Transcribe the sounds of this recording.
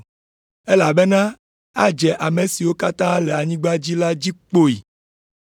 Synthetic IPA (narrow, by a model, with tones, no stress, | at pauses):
e˦la˨be˦nã˦ | a˦d͡ʒɛ˨ʔa˨me˨si˨wo˦ka˦t̪ã˦le˨a˨ɲĩ˦ɡ͡ba˦d͡ʑi˦la˦d͡ʑi˦k͡po˦i˨